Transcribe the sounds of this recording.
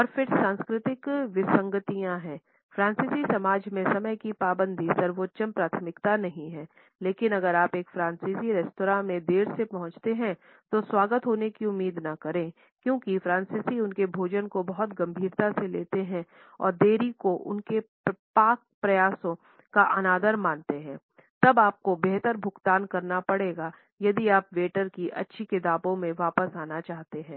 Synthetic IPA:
ɔːɾfɪɾsãːnskɾɪt̪ɪkʋɪsɐ̃ŋɡət̪ijãɦɛ̃ː | fɾãːnsisisɐmaːd͡ʒmẽsɐməjkipaːbə̃nd̪ʱisɐɾʋoːtːʃəmpɾaːt̪ʰmɪkt̪anɐɦĩɦɛː | leːkɪnɐɡəɾaːpeːkfɾãːnsiːziɾɛːstoːɾãːmẽd̪eːɾsepɐɦʊ̃t͡ʃt̪eɦɛ̃ | t̪oswaːɡət̪ɦoːnekiʊmːiːd̪nɐkɐɾẽ | kjõːkifɾãːnsiːsiʊnkebʱoːd͡ʒənkobɐɦɔt̪ɡɐ̃mbʱiːɾt̪aseleːt̪eɦɛ̃ | ɔ̰ːɾd̪eːɾikoʔʊ̰nke | paːk̚pɾɐjaːsõ | kaʔɐnaːd̪əɾmãːnt̪eɦɛ̃ː | t̪ɐbaːp̚kobeɦt̪əɾbʱʊkt̪aːnkɐɾnapɐɽeːɡa | jɐd̪iaːpʋeːʈəɾkiʔɐ̰tːʃʰikɪt̪aːbõmẽʋaːpəsaːnat͡ʃaːɦt̪eɦɛ̃ː

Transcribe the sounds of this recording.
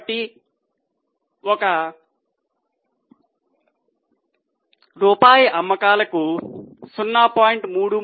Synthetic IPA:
ʈi | wʌka | ropajamːʌkalekosunːapɔiɳʈmuɽu

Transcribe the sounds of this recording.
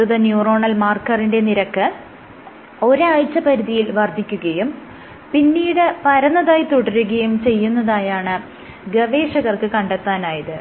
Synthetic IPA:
uðɐnjuːro̞ːɳɐlmaːrkɐrinde̞niɾɐkːɨ | o̞ɾaːjt͡ɕːɐpɐɾuðijilʋɐrd̪ʱːikʲːuɣɐjum | pinːiːɽɨpɐɾɐnːɐðaːjt̪uɽɐɾuɣɐjumt͡ɕe̞jːunːɐðaːjaːɳɨ | ɡɐʋe̞ːʂɐɣɐrkɨkɐɳɖet̪ːaːnaːjɐðɨ

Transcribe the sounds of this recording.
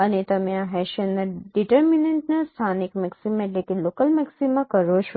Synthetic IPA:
ənet̪əmẽãɦɛʃənːaɖiʈəɾmineɳʈnast̪ʰanikmɛksimãeʈlekelokəlmɛksimːãkəɾot͡ʃʰo

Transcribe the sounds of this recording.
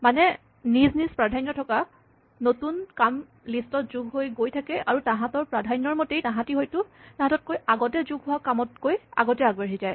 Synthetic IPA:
manɛ | niznispɹadʱajnːɔtʰɔka | notunkam | listɔt̚zuɡɦojɡojtʰakɛʔaɹutãɦãtɔɹpɹadʱajnɔɹmotejtãɦãtiɦojtʊtãɦatɔt̚kojaɡɔtɛzuɡɦʊwakamɔtkoja̰ɡɔtɛaɡbaɹizaj

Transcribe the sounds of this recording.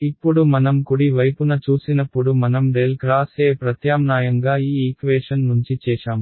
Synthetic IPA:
ipːuɽumɐnɐmkuɽiʋɐjpunɐt͡ʃuːsinɐpːuɽumɐnɐmɖelkɾaːseːpɾɐt̪jaːmnaːjɐŋɡaːiːikʋeːʂɐnnuɲt͡ʃit͡ʃɛːʂaːm

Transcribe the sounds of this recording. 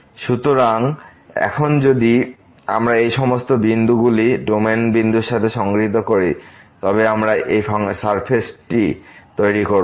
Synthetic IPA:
ʃut̪oɾaŋ | ɛ̰kʰond͡ʑod̪i | a̰mɾaejʃɔmost̪obind̪uɡuliɖomenbind̪uɾʃat̪ʰeʃɔŋɡɾit̪̬okoɾit̪ɔbeamɾaʔejsaɾpʰesʈit̪ojɾikoɾ

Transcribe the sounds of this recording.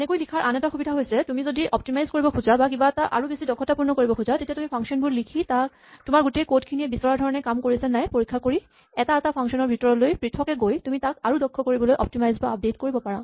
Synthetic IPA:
ɛnekojlikʰaɹʔanɛtaxubidʱaɦojsɛtumizodiʔɔp̚timajzkoɹibɔkʰuzabak̬ibaɛtaʔa̰ɹubesidɔkʰɔtapuɹnɔkoɹibɔkʰuzatetijatumipʰaŋksɔnbuɹlikʰitak | tʊmaɹɡutekotkʰiniɛbisɔɹaɹdʱɔɹɔnɛkamkoɹisɛnajpoɹikʰːakoɹi | ɛtaɛtapʰaŋksɔnɔɹbʱitɔɹɔlojpɹitʰɔkɛɡojtumitakaɹudɔkʰːɔkoɹibɔlojʔɔ̰p̚timajzbaap̚detkoɹibɔpaɹa

